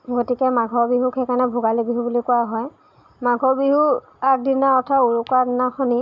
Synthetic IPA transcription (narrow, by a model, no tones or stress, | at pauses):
ɡotikɛmaɡʱɔbiɦukʰɛkanɛbʱʊɡalibiɦubulikʊaɦɔj | maɡʱɔbiɦu | ak̚dinaɔtʰauɹukadinaxɔni